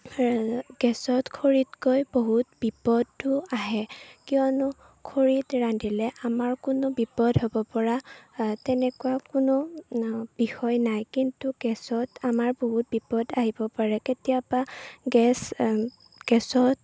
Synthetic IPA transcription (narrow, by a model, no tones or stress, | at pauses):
ɡ̥ɛsɔtkʰoɹitkojboɦutbipɔdːʊaɦɛkijɔnʊ | kʰoɹitɹandilɛʔamaɹkʊnɔbipɔdɦobɔpɔɹatɛnɛkuwakʊnɔ | b̥ixɔjnajkintuɡ̥ɛsɔtamaɹboɦut̚bipɔdaɦibɔpaɹɛketijapaɡɛs | ɡ̥ɛsɔt